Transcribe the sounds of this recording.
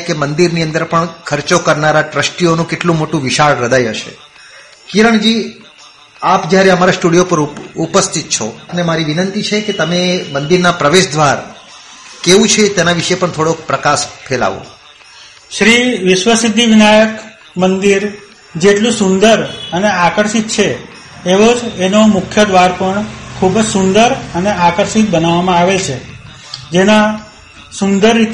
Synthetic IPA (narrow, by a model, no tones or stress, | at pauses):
kemənd̪iɾniənd̪əɾpəɳkʰəɾt͡ʃokəɾnaɾaʈɾəsʈionũkeʈlũmoʈũʋɪʃaɭɾəd̪ʱajɦəʃḛ | kiɾəɳd͡ʒi | apd͡ʒjaɾeəmaɾasʈuɽijopəɾupəst̪ʰit̪̚t͡ʃʰopnemaɾiʋinənt̪it͡ʃʰeket̪əmemənd̪iɾnapɾəʋeʃd̪ʱʋaɾ | keʋũt͡ʃʰet̪enaʋiʃepəɳt̪ʰoɽokpɾəkaʃfʰela̰ʋo̰ | ʃɾiʋɪʃʋəsid̪ʱːiʋinajək | mənd̪iɾ | d͡ʒeʈlũsʊ̃nd̪əɾəneakəɾʃit̪̚t͡ʃʰeː | ʋod͡ʒenomʊkʰjəd̪ʋaɾpəɳkʰubd͡ʒsũnd̪əɾəneakəɾʃit̪̚bənaʋːamãaʋelt͡ʃʰe | d͡ʒena | sʊnd̪əɾːit̪